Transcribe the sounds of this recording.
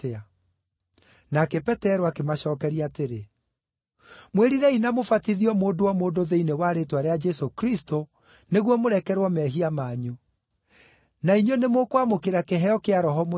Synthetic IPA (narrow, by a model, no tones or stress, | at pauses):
ea | nakɛpɛtɛɾoakemaɕɔːkɛɾiateɾe | mweɾiɾɛinamofatiðiɔmoːdowamoːdoðeinewaɾetwaɾead͡ʒɛsokɾisto | neɣwɔmoɾɛkɛɾwɔmɛɦiamaːɲu | naiɲonemokwamokeɾakeɦɛɔkeaɾɔɦɔmo